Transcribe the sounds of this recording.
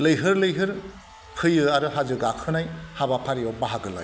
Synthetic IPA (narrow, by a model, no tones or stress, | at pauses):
lɯjɦɯɾlɯjɦɯɾ | kʰɯjɯaɾɯɦazɯɡakʰɯnajhabapʰaɾijɔbaɦaɡɯla̰j